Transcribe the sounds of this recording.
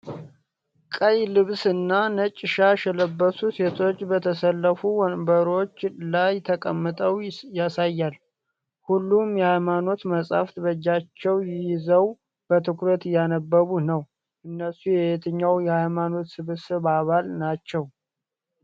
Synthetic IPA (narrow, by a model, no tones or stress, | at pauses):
kʼəjlɨβsɨnːanət͡ʃʼːɪʃaʃɛləbːəsuse̞t̪ʰo̞t͡ʃːbət̪ʰəsəlːəfuwnbəɾo̞t͡ʃːlajt̪ʰəkʼəmːɨt̪ʼəwjasajːal | hulːumjɛhajmano̞t̪məsʼa̰ft̪ʰɨβəd͡ʒːat͡ʃːɛwjɪjɪzəw | b̥ət̪ʰɨkɾət̪janəbːəβunəw | ʔɨnːəsujɛjet̪ʰɨɲːawjɛhajmano̞t̪sɨβsɨβaβalnat͡ʃːɛw